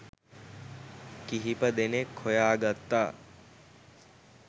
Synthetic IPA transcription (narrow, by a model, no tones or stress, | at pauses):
kiɦipəd̪enekʰːojaːɡat̪ːaː